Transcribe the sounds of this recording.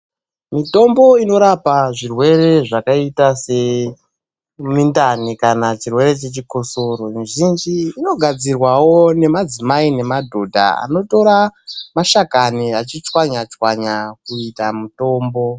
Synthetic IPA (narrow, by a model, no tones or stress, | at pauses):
mito̞mbo̞ino̞ɾapaʐirwe̞re̞ʐakaitase̞ | mindanikanat͡ʃirwe̞ɾe̞t͡ʃe̞t͡ʃiko̞so̞ɾo̞miʒind͡ʒiːno̞ɡʱad͡zirwawo̞ne̞mad͡zimaine̞madʱo̞dʱa̰a̰no̞to̞ɾamaʃakaniat͡ʃit͡ʃwaɲat͡ʃwaɲakuitamuto̞ːmbo̞